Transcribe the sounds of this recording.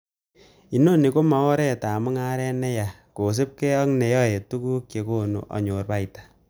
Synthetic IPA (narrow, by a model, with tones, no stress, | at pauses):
i˨no˦ne˨ko˦ma˨ɔ˦ɾɛ˦˨ta˨mʊ˦ŋa˦ɾɛ˦nɛ˦ja˨ | ko˨s̬e˦p̚ke˦ɔ˦ŋnɛ˨jɔ˦je˨tu˦ku˦kje˨ko˦no̰˨ʔɔ̰˨ɲo˨rba˦itḁ